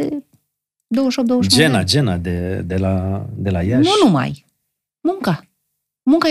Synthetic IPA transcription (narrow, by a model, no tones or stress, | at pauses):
e | d̪owəʃop̚d̪owəʃd͡ʒenad͡ʒenad̪ed̪elad̪e̞lajanʃunuma̰j | muŋka | muŋka